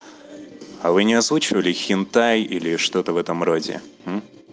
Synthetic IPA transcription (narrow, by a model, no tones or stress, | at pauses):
avɨnʲɪazvut͡ɕɪvəlʲɪxʲɪnt̪ajilʲɪʂt̪o̞t̪əvɛt̪əmro̞dʲɪ̰